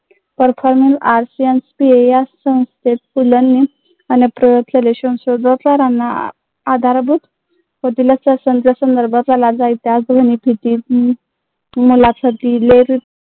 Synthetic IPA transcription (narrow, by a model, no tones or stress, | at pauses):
pəɾfɔɾmilaɾsianspiejassə̃w̃st̪ʰet̪̚pulənːi | anepɾəjot̪leleɕə̃w̃sod̪ʱət̪aɾanːaː | d̪ʱaɾbʱut̪ | kot̪ilasəsənt̪asənd̪əɾbʱat̪alad͡zait̪jat͡sɡʱənibʱit̪iː | mulat͡sʰət̪ileɾi